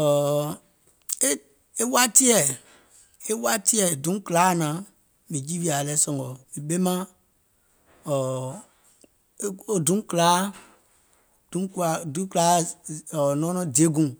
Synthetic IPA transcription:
ɔ˨ | e˦ | e˦wa˦ti˦ɛ˨ | e˦wa˦ti˦ɛ˨dũ˨˦klaː˨˦˨nãː˨˦ | mĩ˨d͡ʒi˦vi˦a˨lɛ˦sɔ̃˧˨ŋɡɔ˨i˨ɓe˦mã˦ | ɔ˨˦ | o˦dũ˨˦klaː˨˦ | d̥ũ˨˦ka˨dũ˦klaː˨˦ɔ˨nɔ̃ː˦nɔ̃˧di˨e˨˦ɡũ˨

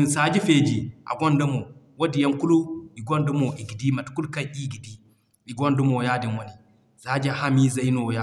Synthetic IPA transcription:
i˨nsaː˦d͡ʒi˦fe˨d͡ʒi˨ʔa̰˨ɡɔ˦ndɔ˦mɔ˨wo˦di˨ja˦nku˦lu˦ɓi˨ɡɔ˦ndu˦mɔ˨ʔi˨ɡi˨di˦ma˨tku˦lka˦ʔi˦ɡi˨di˦ | i˨ɡɔ˦ndu˦mɔ˨jaː˦di˨nwo˦ni˨ | sa˦d͡ʒi˦a˨ha˦mi˦za˦jnɔ˨ja˦

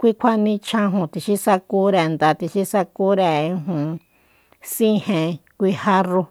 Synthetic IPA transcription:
kʷi˦kʷʰa˦nĩ˧t͡ʃʰã˧ɦũ˧˨t̪i˧ʃi˦sa˧ku˧˦ɾe˧˨nd̪a˧t̪i˧ʃi˦sa˧ku˦ɾẽ˧˨˧ɦũ˨ | sĩ˦hẽ˧kʷi˧ha˧ru˧

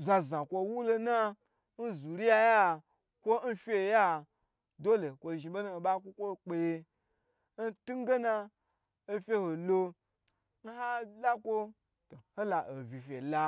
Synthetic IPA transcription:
za˨˧zã˨kʷo˧wu˦lo˧na˦ | n̩˦zu˨ɾi˦ja˧ja˦ | kʷo˦n̩˦fʲe˦˨ja˦ | do˦lo˨kʷo˧ʒi˨bo˦nu˦o˨ɓa˦kʷo˦kʷo˦˨k͡pe˧je˧ | n̩˦tu˦ŋ˦ɡe˦na˧ | o˦fʲe˦ho˨lo˧ | n̩˦ɦa˦la˦kʷo˦ | to˨ho˦la˨ʔo˨vʲi˨fʲe˨la˧

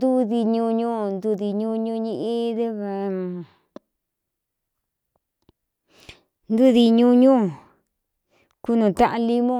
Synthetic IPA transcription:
d̪u˦ði˧ɲũ˧ɲũ˦˨nd̪u˧ði˧ɲũ˦˧ɲũ˧ɲĩ˦˧ʔĩ˦ðe˦βa˨˧˨ | nd̪u˦ði˧ɲũ˦ɲũ˦˨ | ku˦nũ˨t̪a˦ʔa˧li˦mõ˦

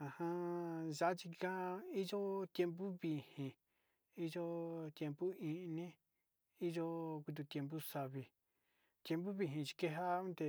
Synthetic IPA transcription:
a˨hã˧ʒa˦a˦t͡ʃi˧kã˦˧i˦ʒo˦t̪je˧mp̬u˦βi˨hĩ˧ | i˦ʒo˦t̪je˧mpu˦ĩ˧nĩ˦ | i˦ʒo˦ku˧t̪̬u˧t̪ʲe˧mp̬u˦sa˧βi˧ | t̪je˧mbu˦βi˧ɦĩ˧t͡ʃi̥˧ke˦ɦa˦ũ˦t̪e˧

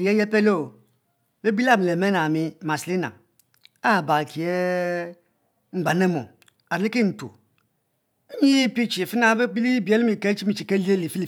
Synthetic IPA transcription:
i˨je˦je˦pe˦lo˦˨ | be˦bi˦la˦˨mi˨le˨me˦na˨mi˦˨ma˨sli˦na̰˨ | a˦˨ba˨ki˨e˦ | ŋ͡m̩˨ɡ͡ba˨ne˦mo̰˨ | a˨ɾli˦ki˦˨n̩˨to̰˨ | e˦ɲi˦ji˦pi˦t͡ʃi˨fi˦na˦be˦bi˦li˦bi˨˦e˦li˦mi˨ke˦t͡ʃi˦mi˦˨t͡ʃi˨ke˦li˦e˦li˨fi˦li˦˨

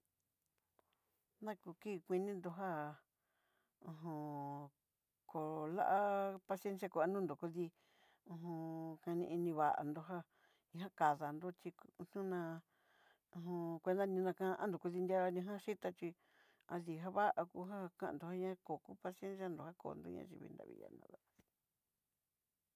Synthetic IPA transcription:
nã˦ku˧ki˦˧kʷi˧nĩ˦nd̪o˧ɦa˦˨ | ũ˧ɦõ˧ | ko˨la̰˦ʔa˦pa˧se˦ns̬ja˧ko˨a˧nũː˦nd̪o˨ku˧ði˧ | ũ˧ɦũ˧kã˧nĩ˧i˧nĩ˧βa˨ʔa̰˨nd̪o˧ɦa˦ | ĩ˧˦ã˦ka˨ða˨nd̪o˦t͡ʃi˧n̥ɲũ˦nã˧ | ũ˧˨ɦõ˧kʷe˧nd̪a˦nĩ˧nã˧kã˧˦ʔã̰˦nd̪o˨ku˧ði˧nd̪ʲa˦a˧nĩ˧ɦã˦ʃi˦t̪a˧t͡ʃi˧ | a˧ði˧ɦa˦βa˦ʔa˧ku˧ɦa˦kã˦ʔnd̪o˧ha˦ɲã˦ko˨ku˦pa˧si˧e˦ns̬ja˦˧nd̪o˨ha˦ko̰ː˨˧nd̪o̰˦ɲã̰˧ʒḭ˧βḭ˧nd̪a̰˧βḭ˧ja̰˧nã̰˨˧ða˨

